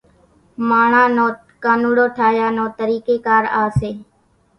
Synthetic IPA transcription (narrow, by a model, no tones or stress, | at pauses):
maːɳaːnoː | kaːnuːɽoːʈʰaːjaːnõːt̪əɾiːkeːkaːɾaːseː